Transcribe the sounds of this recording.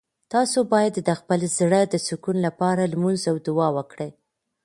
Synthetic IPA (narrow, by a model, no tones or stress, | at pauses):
t̪ɑsobɑjad̪d̪əxpəlzɽəd̪əsukunlapɑɾalmunzawd̪ʊwɑwəkɽej